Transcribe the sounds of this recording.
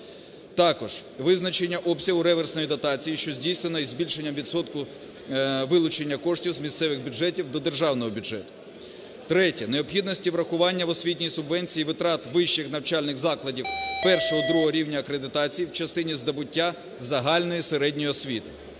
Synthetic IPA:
t̪ɑkɔʒ̥ʋɪznɐt͡ʃe̞nʲːɐʔɔbsʲɐɦʊɾɛʋɛrsnɔjid̪ɐt̪ɑt͡sʲijiʃt͡ʃɔzʲdʲijsnenɔizʲbʲilʲʃenʲːɐmʋʲid̪sɔt̪kʊ | ʋɪlˠʊt͡ʃenʲːɐkɔʃtʲiwzmʲist̪sɛʋɪɣbʲʊdʒɛtʲiwd̪ɔd̪erʒɑwnɔɦɔbʲʊdʒɛt̪ʊ̥ | t̪ɾɛtʲɐneɔbpxʲid̪nɔsʲtʲiʋɾɐxʊʋɑnʲːɐʋɔsʲʋʲitʲnʲijsʊbʋɛnʲt͡sʲijiʋɪt̪ɾɑt̪ʋɪʃt͡ʃɪxnɐwt͡ʃɑlʲnɪxzɑklˠɐdʲiwpɛrʃɔɦɔd̪ɾuɦɔɾʲiwnʲɐːkɾed̪ɪt̪ɑt͡sʲijiwt͡ʃɐst̪ɪnʲizd̪ɐbʊtʲːa | zɐɦɑlʲnɔjiseɾɛdʲnʲɔjiɔsʲʋʲit̪ɪ

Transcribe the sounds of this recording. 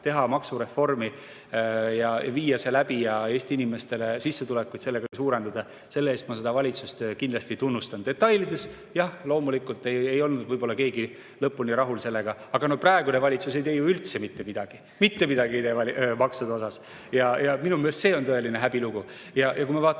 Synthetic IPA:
t̪e̞ɦɑmɑksuɾe̞fːo̞rmi | jɑjɑ̰viːjɑselæbijɑe̞ːsʲt̪iinime̞st̪e̞le̞sisːe̞t̪ule̞kːujt̪se̞lːe̞ɡ̥ɑsuːɾe̞nd̪̥ɑd̪̥ɑ | se̞lːeeːst̪mɑse̞d̪ɑvɑlʲit̪sust̪kind̪lɑsʲt̪it̪unːust̪ɑnd̪̥e̞t̪ːˑɑjlid̪e̞s | jɑhlo̞ːmulikːˑult̪ːe̞jejo̞lnud̪vɤjbolːɑke̞ːɡi | lɤpːunʲiɾɑɦulse̞lːe̞ɡ̥ɑɑɡ̥ɑnoprɑeɡunevɑlʲit̪sus̬e̞jt̪e̞juylt̪se̞mit̪ːe̞mid̪ɑɡ̥i | mit̪ːe̞mid̪̥ɑɡiejt̪eɑlimɑksud̪o̞sɑs | jɑjɑminumeːst̪se̞ːo̞nt̪ɤ̞e̞line̞ɦæb̥iluɡ̥u | jɑjɑk̬uijmɑvɑːt̪ː

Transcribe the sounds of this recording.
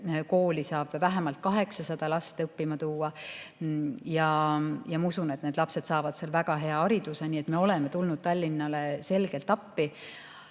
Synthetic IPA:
ko̞ːlʲisɑːb̥væɦemɑlt̪̚kɑɦe̞ksɑsɑd̪̥ɑlɑst̪eɤpːimɑt̪uːɑ | jɑjɑmɑusune̞t̪ne̞ːd̪lɑpse̞d̪̥sɑːvɑd̪̥selvæɡ̥ɑɦe̞ɑɑɾid̪̥use̞nie̞t̪me̞o̞le̞met̪ulnud̪̥̚t̪ɑlʲːinːɑle̞se̞lɡ̥e̞lt̪ːˑɑpːi

